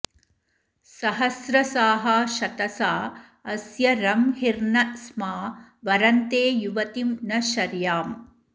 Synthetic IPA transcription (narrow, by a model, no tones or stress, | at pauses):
sɐɦɐsɾɐsaːɦɐʃɐt̪ɐsaː | ɐsjɐɾɐmhiɾnɐsmaːʋɐɾɐnt̪eːjuʋɐt̪imnɐʃɐɾjaːm